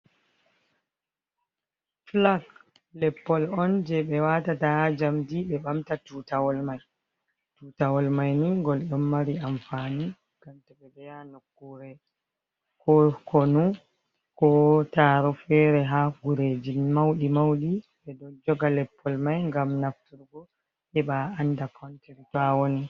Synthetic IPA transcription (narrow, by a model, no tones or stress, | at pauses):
flaɡ | lɛpːɔlɔnd͡ʒɛɓɛwatatad͡ʒamdiɓɛɓamtatutawɔlmaj | tutawɔlmajniŋɡɔlɗɔmːaɾiamfani | ɡ̥amtaɓɛbɛjanokːuɾɛ | kɔkɔnu | kɔtaːɾɔfɛɾɛɦaɡuɾed͡ʒimawɗimawɗiɓɛdɔd͡ʒɔɡalɛpʰːɔlmajŋɡamnaftuɾɡɔ | ʔɛɓaandakʰɔnteɾitawoni